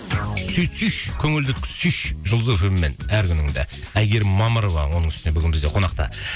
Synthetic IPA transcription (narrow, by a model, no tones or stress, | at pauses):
syj̪syʃkʲʰɵŋɪld̪ɪt̪ʲʰsyʃʒʊlˠzəfɪlmːenæɾkʲʏnɪŋd̪ḛ | æjɡʲe̞ɾmɑməɾo̞vɑ̰wo̞nəɴŋʏ̥stɪne̞bʏɡʲɪnbɪzd̪e̞qʰo̞nɑqt̪ɑ̰